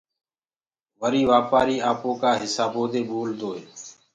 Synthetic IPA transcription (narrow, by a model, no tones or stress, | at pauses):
ʋəɾiːʋaːpaːɾiːaːpõːkaːɦɪsaːboːd̪eːɓoːld̪oːɦeː